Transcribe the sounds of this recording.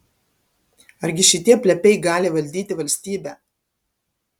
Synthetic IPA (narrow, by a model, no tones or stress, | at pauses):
ɐɾʲɡʲɪʃʲɪt̪ʲiɛpʲlʲɛpʲɛɪɡɑːlʲɪʋɐlʲd̪ʲiːt̪ʲɪʋɐlʲsʲt̪ʲiːbʲæː